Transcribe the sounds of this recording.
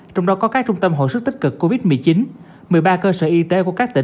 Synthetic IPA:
t͡ɕɔ˧wŋ͡mɗɔ˨˦kɔ˨˦kaː˦˥k̚t͡ɕʊ˧ŋ͡mt̪ə˧mɦo̰˧˨sɨ˦˥k̚t̪i̟˦˥kɨ˨˩kːo˧vi˦˥t̚mɨ˨˩əjt͡ɕi˨˦n | mɨ˨˩əjɓaː˧kəː˧səː˧˩ʔi˧t̪e˨˦ku˧˩əkaː˦˥k̚t̪ï˧˩˨

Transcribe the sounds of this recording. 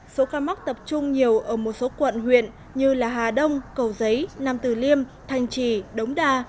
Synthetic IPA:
so˨˦kaː˧ma˦˥k̚t̪ə˨˩p̚t͡ɕʊ˧ŋ͡mɲi˨˩əwʔəː˧˩mo˨˩t̚so˨˦kwə̰˧˨nɦwḭ˧˨ən | ɲɨ˧laː˨˩ɦaː˨˩ɗə˧wŋ͡mkə˨˩wzə˨˦jna˨˩mt̪ɨ˨˩li˧əmt̪ʰa˨˩jŋ̟t͡ɕi˧˩ɗə˨˦wŋ͡mɗaː˧˩

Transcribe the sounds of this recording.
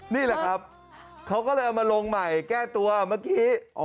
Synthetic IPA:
niː˥˩lɛ˨˩kʰa˦˥p̚ | kʰa˦˥wkɔː˥˩lɤː˧jʔa˧wmaː˧lo˧ŋma˨˩jkɛː˥˩t̪u˧ɐmaː˥˩kiː˦˥ʔ

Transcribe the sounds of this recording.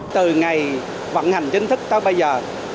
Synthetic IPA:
t̪ɨ˨˩ŋa˨˩j | və̰˧˥nha˨˩ŋ̟t͡ɕï˧ŋ̟t̪ʰɨ˦˥k̚t̪aː˧˦wɓə˧jzəː˨˩

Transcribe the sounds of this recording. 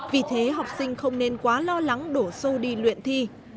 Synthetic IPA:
vi˨˩t̪ʰe˨˦ɦa˨˩wk͡p̚sï˧ŋ̟xə˧wŋ͡mne˧nkwaː˨˦lɔ˧la˨˦ŋɗo˧˩so˧ɗi˧lwḭ˧˨ənt̪ʰi˧

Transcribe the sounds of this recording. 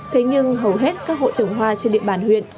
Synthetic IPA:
t̪ʰe˨˦ɲɨ˧ŋɦə˨˩wɦe˦˥t̚kaː˦˥k̚ho̰˧˨t͡ɕə˨˩wŋ͡mɦwaː˧t͡ɕe˧nɗḭ˧˨əɓaː˧˩nhwḭ˧˨ən

